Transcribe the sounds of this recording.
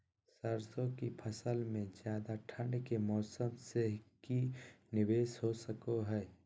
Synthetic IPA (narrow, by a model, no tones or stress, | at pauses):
səɾsõkipʰəsəlmẽd͡ʒjaːd̪aʈʰə̃ɳɖkemɔːsəmsekinɪʋeːsɦosəkoɦɛː